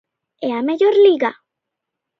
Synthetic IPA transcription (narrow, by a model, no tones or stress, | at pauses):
eameʎoɾliɣa